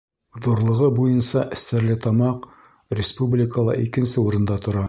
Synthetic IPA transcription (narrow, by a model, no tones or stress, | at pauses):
ðuɾlˠɤ̆ʁɤbujɤnsɑʔɘ̆st̪æɾlɘt̪ɑmɑq | rʲɪspublʲɪkəlˠɑ̰ʔikɘ̆nsɘuɾɤ̆nd̪ɑt̪ŏɾɑ